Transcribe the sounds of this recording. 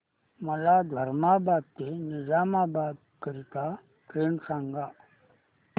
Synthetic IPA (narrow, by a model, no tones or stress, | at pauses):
məlad̪ʱəɾmabaːb̚t̪enizaːmabaːd̪ | kəɾit̪a | tɾeːnsãːŋɡa